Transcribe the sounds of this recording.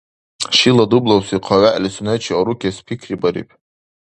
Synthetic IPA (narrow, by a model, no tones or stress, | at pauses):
ʃiladublawsiqʰaɥaʔlʲsunet͡ʃʰioɾukʲʰaspʰikʲʰribaɾḭpʼ